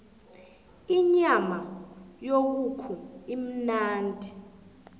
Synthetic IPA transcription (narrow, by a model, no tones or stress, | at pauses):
iɲamajok̬ukʰuim̩naːntʼi